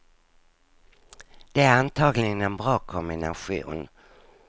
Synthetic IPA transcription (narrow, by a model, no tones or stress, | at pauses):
d̪̥ɛæɾant̪ʰɑːɡlɪɡənɛnbɾɑːkʰɔmbɪna̰ɧṵːn